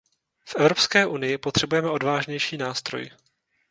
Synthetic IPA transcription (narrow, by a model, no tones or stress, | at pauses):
fʔɛvɾo̞pskɛːʔunɪjɪpot̪r̝̥ɛbujɛmɛʔo̞dvaːʒɲɛjʃiːnaːst̪ɾo̰j